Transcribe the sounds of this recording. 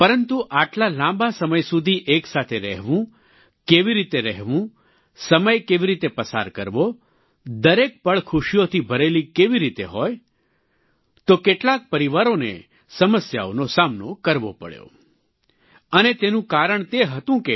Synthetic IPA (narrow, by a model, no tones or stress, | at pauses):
pəɾənt̪uʔaʈlalãmbasəməjsud̪ʱiʔeksat̪ʰeɾɛɦʋũ | keʋiɾit̪eɾɛɦʋũ | səməjkeʋiɾit̪epəsa̰ɾkəɾʋo | d̪əɾek̚pəɭkʰuʃijot̪ʰibʱəɾelikeʋiɾit̪ḛɦoj | t̪okeʈlak̚pəɾiʋaɾonḛ | səməsja̰onosamnokəɾʋopə̰ɭjo̰ | ənet̪enũkaɾəɳt̪eɦət̪ũke